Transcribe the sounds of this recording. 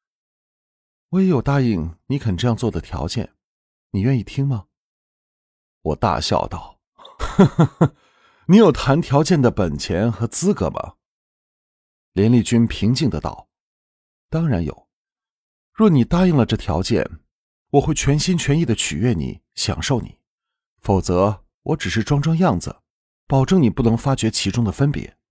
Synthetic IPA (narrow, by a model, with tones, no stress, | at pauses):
wɔ˧˥jɛ˧˥jo˨˩ʊt̪a˥˧i˥˩ŋni˧˥kʰə˨˩nʈ͡ʂɤ˥˧jɑ˥˧ŋt͡swɔ˥˩d̪ə˩t̪ʰjɑ̰˧˥ʊt͡ɕjɛ̰˥˩n | ni˨˩ɥɛ˥˧ni˥˩t̪ʰi˥ŋmɐ˨ | wɔ˨˩t̪a̰˥˧ɕjɑ̰˥˧˩ʊt̪ɑ̰˥˩ʊ | ni˧˥jo˨˩ʊt̪ʰa˧˥nt̪ʰjɑ˧˥ʊt͡ɕjɛ˥˩nd̪ə˩pə˨˩nt͡ɕʰjɛ˧˥nxɤ˧˥t͡sɹ̩˥kɤ̰˧˥mɐ̰˩ | ljɛ˧˥nli˥˩t͡ɕy˥npʰi˧˥ŋt͡ɕi˥˩ŋd̪ə˧t̪ɑ̰˥˩ʊ | t̪ɑ˥ŋɻa˧˥njo̰˨˩ʊ | ɻwɔ˥˩ni˨˩t̪a˥i˥˩ŋlə˩ʈ͡ʂɤ˥˩t̪ʰjɑ̰˧˥ʊt͡ɕjɛ̰˥˩n | wɔ˨˩xwe˥˩ɪt͡ɕʰɥɛ˧˥nɕi˥nt͡ɕʰɥɛ˧˥ni˥˩d̪ə˩t͡ɕʰy̰˨˩ɥɛ˥˩nḭ˨˩˦ | ɕjɑ̰˨˩ŋʂo˥˩ʊnḭ˨˩˦ | fo˨˩ʊt͡sɤ˧˥ | wʔɔ˧˥ʈ͡ʂɻ̩˨˩ʂɻ̩˥˩ʈ͡ʂwɑ˥ŋʈ͡ʂɑ˥ŋjɑ˥˩ŋd͡zɹ̩̰˩ | pɑ˨˩ʊʈ͡ʂɤ˥˩ŋni˨˩pu˥˩nɤ˧˥ŋfa˥t͡ɕɥɛ˧˥t͡ɕʰi˧˥ʈ͡ʂʊ˥ŋd̪ə˨fə˥npjɛ̰˧˥